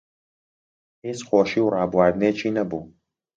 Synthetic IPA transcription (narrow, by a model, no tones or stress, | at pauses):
hiːt͡sxoːʃiːwrɑːbuwaːɾd̪ɨneːt͡ʃʰiːnɐbuː